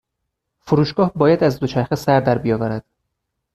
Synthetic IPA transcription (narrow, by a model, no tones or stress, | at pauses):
foɾuːʃɡɒːhbɒːjæd̪æzd̪o̞t͡ʃʰæɾxesæɾd̪æɾbijɒːvæɾæd̪̥